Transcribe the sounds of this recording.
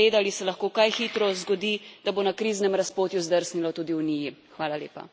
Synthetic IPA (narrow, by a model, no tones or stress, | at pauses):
eːd̪alisɛlaxkoːkajxit̪ɾɔzɡɔd̪id̪̥aboːnakɾiznɛmɾaspoːt̪juzd̪əɾsnilɔt̪uːd̪iunijixʋaːlalḛːpa̰